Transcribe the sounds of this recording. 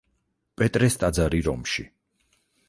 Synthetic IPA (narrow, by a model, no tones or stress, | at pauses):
pʼɛt̪ʼɾɛst̪ʼad̪zaɾiɾɔmʃḭ